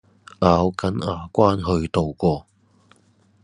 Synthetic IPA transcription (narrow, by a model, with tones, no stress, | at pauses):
ʔaː˨˧wkɐ˨˥naː˨˧kʷaː˥nɦɵ˧ɥt̪o˨wkʷɔː˧